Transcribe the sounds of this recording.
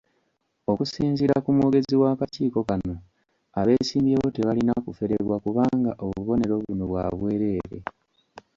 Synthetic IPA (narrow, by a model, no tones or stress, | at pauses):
o̞kusiːnziɾakumwo̞ːɡe̞ziwaːkaciːko̞kano̞ | aβe̞ːsiːmbjeːβo̞teβalinakufe̞ɾeβwakuβaːŋɡaʔoβuβo̞ne̞ɾo̞βunoβwa̰βwe̞ːɾe̞ːɾe̞̰